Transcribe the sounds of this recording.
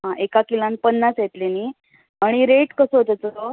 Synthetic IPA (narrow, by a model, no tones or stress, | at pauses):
ɦãʔekakilãnpənːasjet̪leni | aɽ̃iɾeʈkəsəɦot̪ət͡sɔ